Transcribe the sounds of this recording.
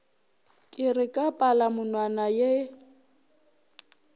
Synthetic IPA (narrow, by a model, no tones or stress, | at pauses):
kʼɪrɪkʼapʼalamʊnwanaje